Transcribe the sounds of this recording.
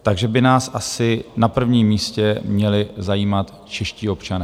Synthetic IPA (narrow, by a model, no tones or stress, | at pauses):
t̪aɡʒɛbɪnaːsʔasɪnapr̩vɲiːmːiːscɛmɲɛlɪzajiːmat̪ | t͡ʃɛʃciːo̞pt͡ʃanɛː